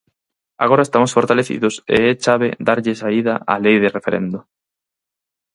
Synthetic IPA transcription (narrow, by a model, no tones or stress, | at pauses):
aɣoɾaest̪amosfoɾt̪aleθḭðʊsḛɛt͡ʃaβ̞eðaɾʎesaiðaʔalejðɪrefeɾḛnd̪ʊ